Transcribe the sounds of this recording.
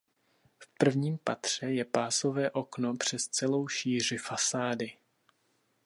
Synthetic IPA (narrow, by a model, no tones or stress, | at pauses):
fpr̩vɲiːmpat̪r̝̥ɛjɛpaːso̞vɛːʔo̞knopr̝̥ɛst͡sɛlo̞wʃiːr̝ɪfasaːdɪ